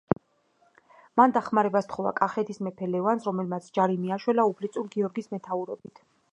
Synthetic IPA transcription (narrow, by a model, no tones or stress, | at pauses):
mand̪aχmaɾɛbast̪ʰχɔva̰kʼaχɛt̪ʰismɛpʰɛlɛvansɾɔmɛlmat̪sʰd͡ʒaɾimiaʃwɛlaupʰlit̪sʼuɾɡiɔɾɡismɛt̪ʰauɾɔbit̪ʰ